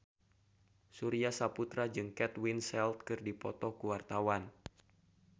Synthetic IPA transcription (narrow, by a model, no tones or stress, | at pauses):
suɾiasaput̪ɾad͡ʒɨŋkɛt̪winsɛlt̪̚kɨrdipɔt̪ɔkuwart̪awan